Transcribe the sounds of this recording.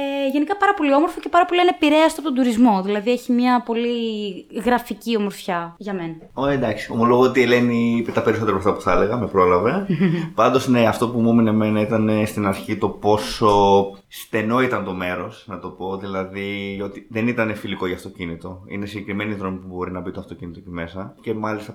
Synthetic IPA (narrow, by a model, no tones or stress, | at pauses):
eʝe̞nikɐpɐɾɐpo̞lio̞moɾfoce̞pɐɾɐpolienepiɾeɐst̪opt̪ond̪uɾizmo̞ðilɐðieçimɲɐpo̞liɣɾɐficio̞mo̞ɾfçɐʝɐme̞nɐ | oed̪ɐksi̥o̞molo̞ɣoot̪ie̞le̞niipet̪ɐpeɾiso̞t̪eɾɐbɾoft̪ɐpuθɐle̞ɣɐme̞pɾo̞lɐve̞pɐnd̪o̞zne̞ɐft̪o̞pumominemeinɐit̪ɐne̞st̪inɐɾçit̪o̞po̞so̞st̪e̞no̞it̪ɐnt̪o̞me̞ɾo̞snɐt̪o̞po̞ðilɐðio̞t̪iðe̞nit̪ɐne̞filiko̞ʝɐft̪o̞cinit̪o̞ḭne̞siɟe̞kɾime̞niðɾo̞mipubo̞ɾinɐbit̪oft̪o̞cinit̪oceme̞sɐce̞mɐlist̪ɐ